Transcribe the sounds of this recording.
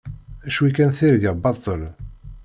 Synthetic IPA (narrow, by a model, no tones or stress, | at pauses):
æʃwikænθiɾɡəbɑt̪ˤːəl